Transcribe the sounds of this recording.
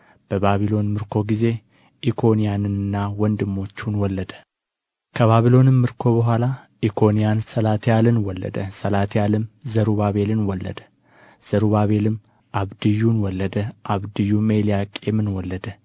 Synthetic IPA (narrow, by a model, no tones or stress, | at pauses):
b̥əbaβilo̞nmɨɾkʰo̞ɡize̞ | ʔikʰo̞nijanɨnɨnːawɔnd̪ɨmːo̞t͡ʃːunwɔlːəd̪ə̥ | kʰəβaβilo̞nɨmːɨɾkʰo̞bəɦʷala | ʔikʰo̞nijansəlat̪ʰjalɨnwɔlːə̰d̪əsəlat̪ʰjalɨmzəɾubaβe̞lɨnwɔlːə̰d̪ə | z̥əɾuβaβe̞lɨm | ʔaβd̪ɨjːunwɔlːəd̪əʔaβd̪ɨjːumelijakʼemɨnwɔlːəd̪ə